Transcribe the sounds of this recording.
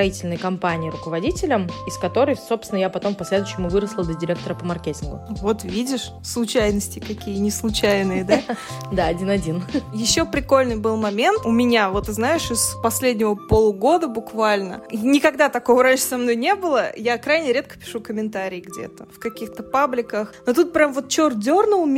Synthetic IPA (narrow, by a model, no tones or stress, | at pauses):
st̪ɾɐitʲɪlʲnəjkɐmpanʲɪːɾʊkəvɐdʲitʲɪlʲəmɪskɐt̪o̞ɾəjso̞pst̪ʲɪnəjapɐt̪o̞mfpɐsʲlʲed̪ʊɕːɪmʊvɨɾəsʲlʲˠɪlˠbʲzʲdʲɪɾʲe̞k̚t̪əɾəpəmɐrkʲetʲɪnɡʊ̰vo̞t̪vʲidʲɪʂ | slˠʊt͡ɕæjnəsʲtʲɪkɐkʲijənʲɪslˠʊt͡ɕæjnɨjəd̪a | d̪aɐdʲinɐdʲinjɪɕːo̞pɾʲɪko̞lʲnɨjbɨlˠmɐmʲe̞nt̪ʊmʲɪnʲavo̞t̪ɨznaɪʂɨspɐsʲlʲedʲnʲɪvəpolˠʊɡo̞d̪əbʊkvalʲnə̰nʲɪkɐɡd̪at̪ɐko̞vəɾanʲʂɨ̥sɐmno̞jnʲe̞bɨlˠəjakɾajnʲɪɾʲe̞t̪̚kə̥pʲɪ̥ʂukəmʲɪnt̪aɾʲɪːɡdʲḛt̪ə̰fkɐkʲixt̪əpablʲɪkəxnot̪ut̪̚pɾʲamvo̞t̪̚t͡ɕo̞rt̪dʲo̞rnʊlˠmʲ